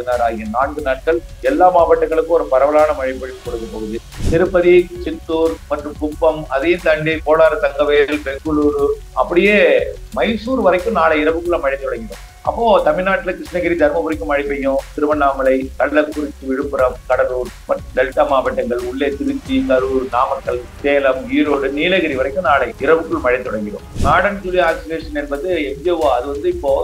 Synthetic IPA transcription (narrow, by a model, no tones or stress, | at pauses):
ɽɯnaːɾaːɪɐnaːɳɡɯnaːʈ̚kɐɭɛlːaːmaːbɐʈːɐŋɡɐɭɯkːɯ̃ɔɾɯpɐɾɐʋɐlaːnɐmɐɻɪpːɐɻɪʋɯkːɔɽɯðɯpːɐːɣɯðɯ | nɪɾɯpːɐðit͡ʃɪt̪ːuːɾmɐʈrɯmkʊpːɐmɐ̰ðɐjɯ̃mt̪ɐɳɖipoːɽaːɾɐt̪ɐŋɡɐʋeːlpɛkɯɭuːɾɯ | ʔɐpːɐɽɪjeːmɐɪsuːɾʋɐɾɐɪkːɯmnaːɭɐɪɾɐpːɯkːɯɭɐmɐɻɪnd̪ɔɽɐŋɡɪɖõ | ʔɐ̰pːoːt̪ɐmɪɻnaːʈːɪlɐkɾɪʂnɐɣɪɾid̪ʱɐɾmɐpʊɾɪkːɯmɐɻɪpːɐjʊ̃t̪ɪɾɯmɐɳːaːmɐlɐɪkɐɭːɐkkʊɾɪt̪ːɯʋɪɻɯpːɯɾɐmkɐɽɐɾuːɾmɐɖ̪ɛlʈːɐmaːbɐʈːɐŋɡɐɭʊɭːeːt̪ɪɾɯt͡ʃːikɐɾɯɾnaːmɐkːɐɭseːlɐmiːɾoːɽɯniːlɐɣɐɾiʋɐɾɐɪkːɯ̃naːɭɐɪɾɐbɯkːɯɭmɐɻɛnt̪ɔɽɐŋɡɪɾõ̰ːnaːɽɐnt̪ʊlɪaːsɐleːʂɐnɛnbɐðd̪ɯɛɲd͡ʒeʋaɐðɯʋɐnd̪ɯɪpːoː